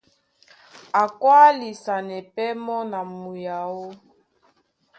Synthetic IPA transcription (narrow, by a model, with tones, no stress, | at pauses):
a˨kwa˦li˨sa˨nɛ˨pɛ˦mɔ˦na˨mu˨ja˨o˦